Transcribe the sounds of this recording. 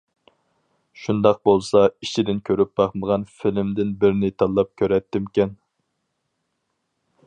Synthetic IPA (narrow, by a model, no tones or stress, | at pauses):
ʃund̪ɑq̚bolˠsɑit͡ʃʰid̪ɪnkʲʰøɾyp̚bɑχməʁɑnfilmd̪ɪnbɪɾnɪt̪ʰɑlˠːɑp̚kʲʰøɾɛt̪ːɪmkʲɛn